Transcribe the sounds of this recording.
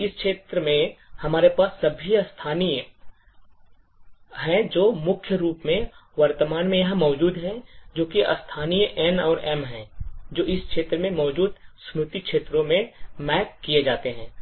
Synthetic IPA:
ɪskʃeːt̪ɾəmẽhɐmaːɾepaːsːɐbʱiɐst̪ʰaːnij | ɦɛ̃d͡ʒoːmʊkʰjəɾuːpmẽʋɐɾt̪əmaːnmẽjɐɦãmɔːd͡ʒuːd̪ɦɛ̃d͡ʒoːkiʔɐ̰st̪ʰaːnijʔɛnɔːɾɛmɦɛ̃d͡ʒoːɪskʃeːt̪ɾəmẽmɔːd͡ʒuːd̪sɾʊt̪ikʃeːt̪ɾõmẽmɛːkːijed͡ʒaːt̪eɦɛ̃ː

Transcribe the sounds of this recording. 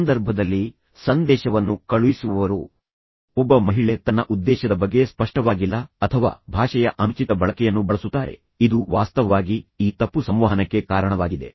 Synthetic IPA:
nd̪ɐɾbʱɐd̪ɐlːi | sɐnd̪ɛːʃɐʋɐnːukɐɭuʋisuʋɐʋɐɾṵ | ɔbːɐmɐɦiɭet̪ɐnːɐʔud̪ːɛːʃɐd̪ɐbɐɡːe̞spɐʂʈɐʋaːɡilːɐɐt̪ʰɐʋa̰ːbʱaːʂɐjɐʔɐmt͡ʃit̪ɐbɐɭɐkɛjɐnːubɐɭɐsut̪ːaːɾe̞̰ | id̪uʋaːst̪ɐʋaːɡiiːt̪ɐpːusɐmʋaɦɐnɐkːe̞kaːɾɐɳɐʋaːɡid̪e̞̰

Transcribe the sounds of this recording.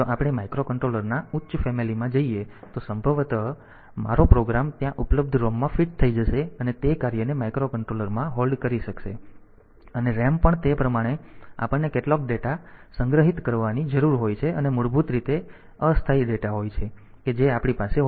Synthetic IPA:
t̪oʔapɽ̃emaikɾokəɳʈɾoləɾnautːʃfemilimãd͡ʒəiet̪osəmbʱəʋt̪ə | ma̰ɾopɾoɡɾamt̪jãʔupləb̚d̪ʱɾomːãfiʈ̚t̪ʰəid͡ʒəʃeənet̪ekaɾijənemaikɾokəɳʈɾoləɾmãɦolɖkəɾiʃəkʃḛ | əneɾɛmpəɳt̪epɾəmaɽ̃ea̰pəɳnːekeʈlɔk̚ɖeʈasəŋɡɾəɦit̪kəɾʋanid͡ʒəɾuɾɦojt͡ʃʰeənemʊɭbʱut̪ɾit̪e | əst̪ʰaiɖeʈaɦojt͡ʃʰe | ked͡ʒeapɽ̃ipase

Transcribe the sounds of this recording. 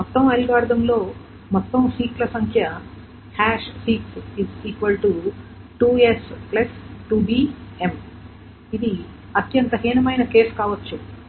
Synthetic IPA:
mɔt̪ːɐmɐlɡaːɾd̪ʱɐmlo̞ː | mɔt̪ːɐmsiːʈlɐsɐŋkʰjɐ | haːʃsiːksiziːkʋɐlʈu | ʈuːesplɐsʈuːbiːem | id̪i | ɐt̪jɐnt̪ɐɦiːnɐmɐjnɐke̞ːskaːʋɐt͡ʃːu

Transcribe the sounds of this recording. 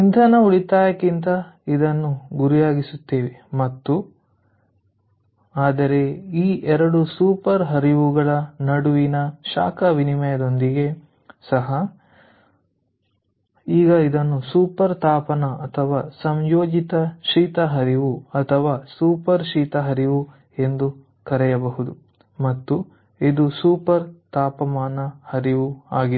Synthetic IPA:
t͡ʃind̪ʰʱɐnɐuɭit̪aːjɐkːint̪ɐid̪ɐnːuɡuɾijaːɡisut̪ːeːʋemɐt̪ːu | aːd̪ɐɾe̞iːʔɛɾɐɽusuːpɐɾɦɐɾiʋuɡɐɭɐnɐɽuʋinɐʃa̰ːkɐʋinimɐjɐd̪o̞nd̪iɡe̞ | sɐɦɐ | iːɡɐid̪ɐnːusuːpɐɾt̪aːpɐnɐɐt̪ʰɐʋaːsɐmjoːd͡ʒit̪ɐʃiːt̪ɐɦɐɾiʋuɐt̪ʰɐʋaːsuːpɐɾʃiːt̪ɐɦɐɾiʋu | e̞nd̪u | kɐɾɛjɐbɐɦud̪u | mɐt̪ːu | id̪usuːpɐɾt̪aːpɐmaːnɐhɐɾiʋuaːɡi

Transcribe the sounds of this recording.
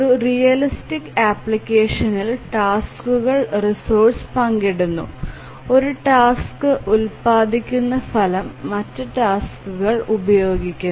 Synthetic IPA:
oɾurijɐlistikːaːpɭikʲːeːʂɐnilʈaːskuɣɐɭrisoːʈspɐŋɡeɽunːṵ | o̞ɾuʈaːskɨʔulpaːd̪ikʲːunːɐfɐlɐmːɐtːɨʈaːskuɣɐɭubɐjo̞ːɡikʲːu

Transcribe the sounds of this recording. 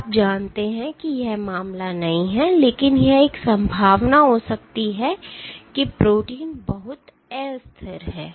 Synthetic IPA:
aːp̚d͡ʒaːnt̪eɦɛ̃kijɛɦmaːmlanɐɦĩɦɛleːkɪnjɛeksɐ̃mbʱaːʋnaɦosɐk̚t̪iɦɛkipɾoːʈiːnbɐɦʊt̪ | ɛːst̪ʰəɾɦɛː

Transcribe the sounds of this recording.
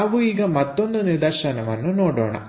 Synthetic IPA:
ɐʋuiːɡɐmɐt̪ːond̪uniɾd̪ɐɾʂɐnɐmɐnːunoːɽo̰ːɳɐ̰

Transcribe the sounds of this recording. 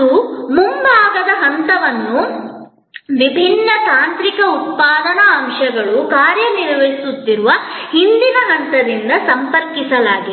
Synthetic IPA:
umumbʱaːɡɐd̪ɐɦɐnt̪ɐʋɐnːu | ʋibʱinːɐt̪aːnt̪ɾikɐut̪̚paːd̪ɐnɐːmʃɐɡɐɭukaːɾjɐniɾʋɐɦisut̪ːiɾuʋɐhind̪inɐɦɐnt̪ɐd̪ind̪ɐsɐmpɐɾkisɐlaːɡi

